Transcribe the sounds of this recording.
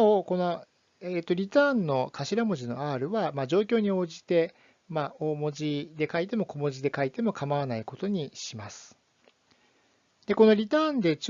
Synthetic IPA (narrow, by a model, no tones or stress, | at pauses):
oko̞no̞ | eːt̪ːo̞ɾʲit̪ãːnːo̞kʰaɕiɾamo̞ʑino̞̰aːɾɯ̟βamad͡ʑo̞ːkʲo̞ːɲ̟io̞ːʑit̪e̞ | mao̞ːmo̞ʑid̪e̞kait̪e̞mo̞ko̞mo̞ʑid̪e̞kait̪e̞mo̞kamaβanaiko̞t̪o̞ɲ̟iɕimasɨ̥ | d̪̥e̞ko̞no̞ɾʲit̪ãːnd̪e̞t͡ɕ